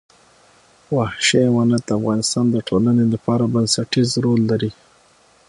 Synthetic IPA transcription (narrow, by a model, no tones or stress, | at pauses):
wahʃewanat̪̚d̪əafɣɑnɪst̪ɑnd̪əʈʰolanelapɑɾabansaʈizɾolːaɾi